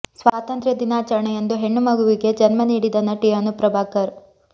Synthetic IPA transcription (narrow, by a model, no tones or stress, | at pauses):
sʋaːt̪ɐnt̪ɾjɐd̪inaːt͡ʃɐɾɐɳɐjend̪uɦe̞ɳːumɐɡuʋiɡe̞d͡ʒɐnmɐniːɽid̪ɐnːɐʈijɐnupɾɐbʱaːkɐɾ